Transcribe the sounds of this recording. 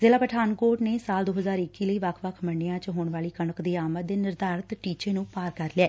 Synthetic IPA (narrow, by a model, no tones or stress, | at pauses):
zeːlaːpəʈʰaːnkoːʈneːsaːld̪oːɦəzaːɾɪkːiːləiːʋəkʰʋəkʰməɳɖejãːt͡ʃɦoːɳʋaːliːkəɳəkd̪iːaːmət̪̚d̪eːnɪɾd̪aːɾət̪ʈiːt͡ʃeːnũːpaːɾkəɾleɛː